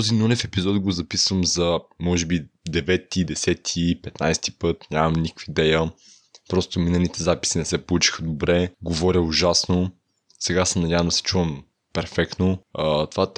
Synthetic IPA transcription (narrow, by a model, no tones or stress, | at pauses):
ɔzinunɛfɛpizɔt̪ɡozɐpisvəmzɐmɔʒɛbid̪ɛvɛt̪ːid̪ɛsɛt̪ʰipɛt̪najst̪i̥pɤt̪nʲjamɐmnikkfid̪ɛjə | pɾɔst̪ominɐlit̪ɛzapi̥sinɛsɛpolˠut͡ʃi̥xəd̪obɾɛɡovɔɾʲəʊʒasno | sɛɡasɛnɐdʲavɐmd̪ɐsi̥t͡ʃuvɐm | pɛɾfɛkt̪noət̪ovat̪